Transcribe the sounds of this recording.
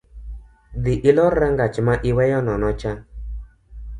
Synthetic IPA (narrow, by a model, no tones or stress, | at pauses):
ðiʔilɔɾɛŋɡat͡ʃimaʔiwɛjɔnɔnɔt͡ʃa